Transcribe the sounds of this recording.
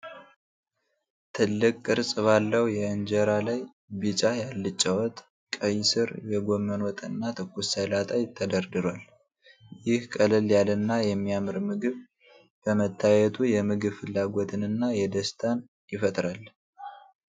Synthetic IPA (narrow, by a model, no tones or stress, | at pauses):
t̪ʰɨlːɨkʼkʼːɨɾsʼɨβalːəwjɛɨnd͡ʒəɾalaj | bit͡ʃʼajalːɨt͡ʃʼːawɔt̪ʼ | kʼəjsɨɾjɛɡo̞mːənwɔt̪ʼɨnːat̪ʰɨkʰːusəlat̪ʼajt̪ʰːəd̪əɾd̪ɨɾwal | jɪhkʼəlɨljalɨnːajɛmːiamɨɾmɨɡɨβ | bəmət̪ʰːajɛt̪ʰujɛmɨɡɨβfɨlːaɡot̪ʰɨnɨnːajɛd̪əst̪ʰan | jɪfət̪ʼɾal